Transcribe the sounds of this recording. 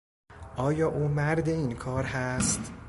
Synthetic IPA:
ʔɒːjɒːʔuːmæɾd̪e̞iːnkʰɒːɾɦæst̪

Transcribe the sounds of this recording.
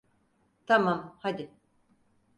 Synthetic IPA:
t̪ʰamamhad̪ɪ

